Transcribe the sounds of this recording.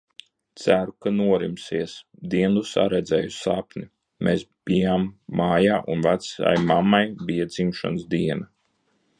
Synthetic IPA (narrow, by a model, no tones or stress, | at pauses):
t̪sæɾukanuɔɾimsiɛs | d̪iɛnd̪usa̰ɾɛd̪zɛjusapni | mʔeːsb̥ijamːaːjaːʔunvat̪sa̰jmamːajbijad̪zimʃa̰nsd̪iɛna